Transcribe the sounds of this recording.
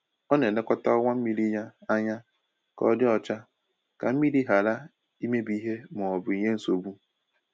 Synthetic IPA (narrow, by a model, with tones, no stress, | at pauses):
ɔ˦ne˨ne˦kʷɔ˦ta˦ɔ˦ŋʷa˦m̩˦mi˦ɾi˦ɲa˦a˦ɲa˦ | kɔ̰˦dɪ˦ɔ˨t͡ʃa˦ | ka˨m̩˦mi˦ɾi˦ɦa˨ɾa˦ | i˦me˦bi˦ɦe˦mʊ˨ɔ˨bʊ˨i˨ɲe˦n̩˦so˨bu˦